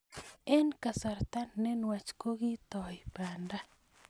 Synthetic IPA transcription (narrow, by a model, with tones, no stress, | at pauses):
e˦nka˨sa˨ɾt̪a˦nːɛ˦nwa˨t͡ʃko˦ɣi˦t̪ɔ˨ɪ˨ba˨nda˦